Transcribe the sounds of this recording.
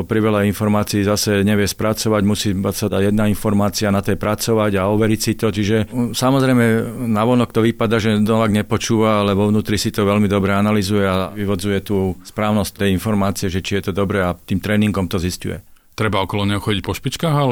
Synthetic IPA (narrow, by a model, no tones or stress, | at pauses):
pɾiʋɛʎainfɔɾmaːt͡siːzasɛɲɛʋɪɛspɾat͡sɔʋaɟmusiːmasaajɛd̪nainfɔɾmaːt͡sianat̪ɛjpɾat͡sɔʋaɟaɔʋɛɾicsit̪ɔt͡ʃiʒɛsamɔzɾɛjmɛnaʋɔnɔkt̪ɔʋipad̪aːʒɛd̪ɔʋaɡɲɛpɔt͡ʃuːʋaalɛʋɔʊnuːt̪ɾisit̪ɔʋɛlmid̪ɔbɾɛanalizujɛaʋiʋɔd͡zujɛt̪uːspɾaːʊnɔsc̚t̪ɛjinfɔɾmaːt͡siɛʒɛt͡ʃijɛt̪ɔd̪ɔbɾɛat̪iːmt̪ɾɛːniŋɡɔmt̪ɔziscṵjɛ̰ | t̪ɾɛbaɔkɔlɔɲɛɦɔxɔɟic̚pɔʃpit͡ʃkaːɣa